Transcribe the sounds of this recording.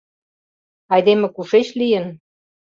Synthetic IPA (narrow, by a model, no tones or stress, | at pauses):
ɑjd̪emĕkuʃeɕlijə̆n